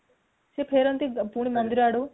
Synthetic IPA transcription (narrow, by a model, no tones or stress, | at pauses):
sepʰeːɾɐnt̪ipuɽ̃imɐnd̪ɪɾaɽo